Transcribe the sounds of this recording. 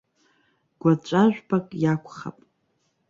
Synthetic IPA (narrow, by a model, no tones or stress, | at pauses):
ɡ̥ʷat͡ʃʷʼaʒᶣʷbakʼjakʷʰχa̰pʼ